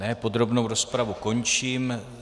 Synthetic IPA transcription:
ɛːpo̞d̪ɾo̞bnowɾospɾavuko̞ɲt͡ʃiːm

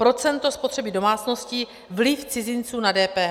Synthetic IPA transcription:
pɾo̞t͡sɛnt̪o̞spot̪r̝̥ɛbɪdo̞maːt͡sno̞sci | vlɪft͡sɪzɪnt͡suːnadɛːpɛːɦ

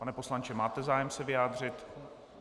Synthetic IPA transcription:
anɛpo̞slant͡ʃɛmaːt̪ɛzaːjɛmsɛvɪjaːd̪r̝ɪt̪

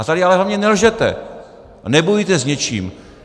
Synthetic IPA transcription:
at̪adɪalɛɦlavɲɛnɛlʒɛt̪ɛ̰ | nɛbojit̪ɛzɲɛt͡ʃḭːm

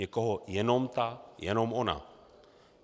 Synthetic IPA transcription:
ɛkoɦɔjɛnɔmt̪ajɛnɔmona̰

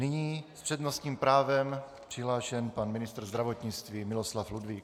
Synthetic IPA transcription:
nɪɲiːspr̥ɛdnost̪ɲiːmpɾaːvɛm | pr̥ɪɦlaːʃɛnpanmɪnɪst̪ɾ̩zd̪ɾavot̪ɲɪt͡st̪viːmɪloslafludviːk

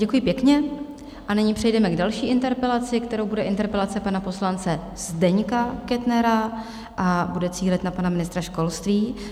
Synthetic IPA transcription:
ɟɛkujɪpjɛkɲɛ | ʔanɪɲiːpr̥ɛjdɛmɛɡdalʃiːʔɪnt̪ɛɾpɛlat͡sɪkt̪ɛɾowbudɛʔɪnt̪ɛɾpɛlat͡sɛpanapo̞slant͡sɛ | z̥dɛɲkakɛt̪nɛɾa | ʔabudɛt͡siːlɛt̪napanamɪnɪst̪ɾaʃko̞lst̪viː

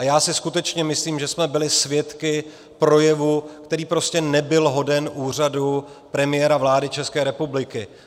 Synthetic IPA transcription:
ajaːsɪskut̪ɛt͡ʃɲɛmɪsliːmʒɛsmɛbɪlɪsvjɛt̪kɪ | pɾo̞jɛvukt̪ɛɾiːpɾo̞scɛnɛbɪlɦo̞dɛnʔuːr̝adu | pɾɛmɪjɛːɾavlaːdɪt͡ʃɛskɛːɾɛpublɪkɪ

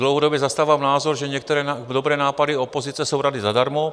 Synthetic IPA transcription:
dlowɦodobjɛzast̪aːvaːmnaːzoɾʒɛɲɛk̚t̪ɛɾɛdobɾɛːnaːpadiopozit͡sɛso̞wɾadizadaɾmo

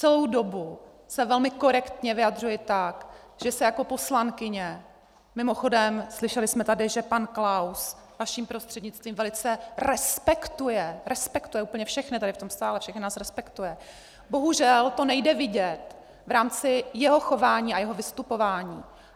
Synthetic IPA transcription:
t͡sɛlowdo̞bu | sɛvɛlmɪko̞ɾɛkt̪ɲɛvɪjad̪r̝ujɪt̪ak | ʒ̥ɛsɛjako̞po̞slaŋkɪɲɛ | mɪmo̞xo̞dɛmslɪʃɛlɪsmɛt̪adɪʒɛpanklaws | vaʃiːmpɾo̞st̪r̝̥ɛdɲɪt͡st̪viːmvɛlɪt͡sɛɾɛspɛkt̪ujɛɾɛspɛkt̪ujɛuːpl̩ɲɛfʃɛxnɪt̪adɪft̪o̞mst̪aːlɛfʃɛxnɪnaːsɾɛspɛkt̪ujɛ | bo̞ɦuʒɛlt̪o̞nɛjdɛvɪɟɛt̪ | vɾaːmt͡sɪjɛɦo̞xo̞vaːɲiːajɛɦo̞vɪst̪upo̞vaːɲiː

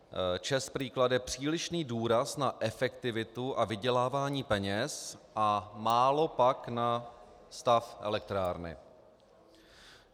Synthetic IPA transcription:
t͡ʃɛspriːkladjɛpr̝̥iːlɪʃniːduːɾasnaʔɛfɛkt̪ɪvɪt̪uʔavɪɟɛlaːvaːɲiːpɛɲɛsʔamaːlo̞pakna | st̪afʔɛ̰lɛk̚t̪ɾaːɾnɪ̰

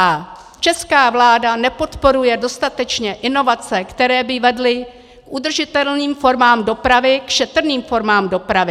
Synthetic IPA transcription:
a | t͡ʃɛskaːvlaːdanɛpo̞t̪po̞ɾujɛdo̞st̪at̪ɛt͡ʃɲɛʔɪno̞vat͡sɛkt̪ɛɾɛːbɪvɛdlɪ | kʔud̪r̩ʒɪt̪ɛlniːmfo̞ɾmaːmdo̞pɾavɪkʃɛt̪r̩niːmfo̞ɾmaːmdo̞pɾavɪ

